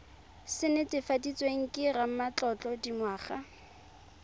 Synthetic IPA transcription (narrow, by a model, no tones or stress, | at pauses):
sɪnɪtʼɪfadit͡sʼweŋ̩kʼɪram̩mat͡ɬɔt͡ɬʼɔdimwaːχa